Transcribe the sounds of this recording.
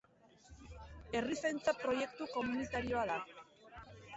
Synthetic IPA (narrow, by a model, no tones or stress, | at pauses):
e̞risejnt͡sapɾo̞je̞kt̪uko̞munit̪aɾio̞aða